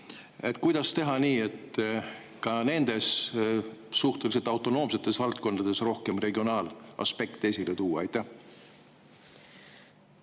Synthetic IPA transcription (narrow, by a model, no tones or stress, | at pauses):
e̞t̪ːˑkujd̪̥ɑst̪e̞ɦɑniːe̞t̪ | kɑne̞nd̪̥e̞s | suht̪e̞lis̬e̞lt̪ɑwt̪ːˑo̞no̞ːmse̞t̪ːˑe̞svɑlt̪̚ko̞nd̪ɑd̪̥e̞sro̞hke̞mre̞ɡio̞nɑːlɑ̰spe̞kt̪ːe̞silet̪uːwɑɑjt̪ːˑæh